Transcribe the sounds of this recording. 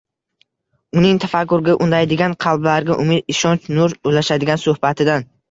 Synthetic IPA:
ʊnɪŋt̪ʰafakːʊɾɡʲaʔʊnd̪ajd̪ɪɡʲanqʰɑlˠblaɾɡʲaʔʊmɪd̪ɪʃɒnt͡ʃnʊɾojlaʃad̪ɪɡʲansohbat̪ʰɪd̪an

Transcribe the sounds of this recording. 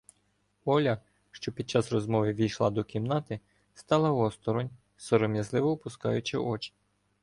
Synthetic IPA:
ɔlʲɐ | ʃt͡ʃɔpʲid̪̚t͡ʃɑsrɔzmɔʋɪʋʲijʃlˠɑd̪ɔkʲimnɑt̪ɪ | st̪ɑlˠɐɔst̪ɔɾɔnʲ | sɔɾɔmʲjɐzlˠɪʋɔːpʊskɑ̰jʊt͡ʃɪʔɔt͡ʃɪ̥

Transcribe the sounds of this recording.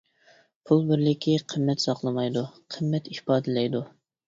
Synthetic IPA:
pʰulˠbɪɾlɪkʲʰiqʰəmːɛt̪sɑqlˠəmɑjd̪uqʰəmːɛt̪ihpɑːd̪ɨlɛjd̪u

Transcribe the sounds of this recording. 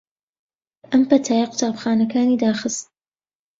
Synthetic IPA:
ʔɐmpɐt̪ʰaːjɐqʊ̥t̪aːbxaːnɐkaːniːd̪aːxɨst̪̚

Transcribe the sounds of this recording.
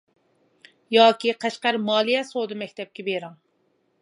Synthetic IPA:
jɑːkʲiqʰæʃqæɾmɑːlˠijɛsod̪ɨmɛkʲt̪ʰɛp̚kʲɛbeɾɑŋ

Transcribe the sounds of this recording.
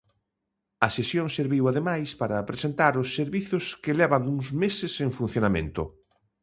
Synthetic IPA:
ɐsesjõŋseɾβiwaðemajspaɾɐpɾesent̪aɾʊsːeɾβiθʊskelɛβɐŋuŋzmesɪseŋfun̟θjonamḛ̃nt̪ʊ

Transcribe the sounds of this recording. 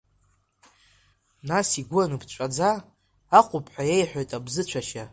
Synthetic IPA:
nasiɡʷʊanɨpʰt͡ʃʷʼad͡zaː | qʷʼʊpʰʼħʷᶣajejħʷᶣo̞jtʼabzɨt͡ʃʷʰaʃa

